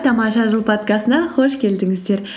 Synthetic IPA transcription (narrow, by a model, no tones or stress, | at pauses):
t̪ʰɑmɑʃɑʒəlˠpʰot̪kɑst̪ənɑqʰo̞ʃkʲʰe̞ld̪ɪŋɪzd̪e̞ɾ